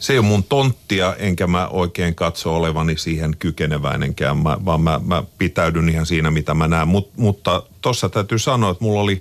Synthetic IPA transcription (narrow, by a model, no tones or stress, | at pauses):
seijomunt̪ont̪ːiɑʔeŋkæmæʔoikeːŋkɑt̪sooleʋɑnːisiːhenkykeneʋæ̰inḛŋkæ̰ːʋmæ̰ʋɑːmmæmæpit̪æydynihɑnsiːnæmit̪æmænæːmmut̪mut̪ːɑt̪osːɑt̪æyt̪ysɑnoːet̪mulːoli